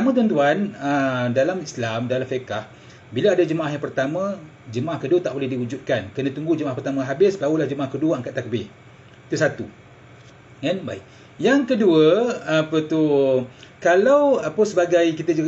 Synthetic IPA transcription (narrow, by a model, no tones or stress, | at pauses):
tamə̃t̪uɔant̪̬uanədalamislamdalamfəkah | bilaadad͡ʒəmaʔahɦjaŋpərt̪amã | d͡ʒəmaʔahkəduət̪aʔbolɛhdiud͡ʒut̪̚kankənãt̪uŋɡud͡ʒəmaʔahpərt̪amãɦabɪsbaɦulahd͡ʒəmaʔahkəduəəŋkat̪ːakəbɪh | it̪usat̪ṵ | kanbaiʔ | jaŋkəduəapət̪u | kalawapəsəbaɡajkit̪əd͡ʒu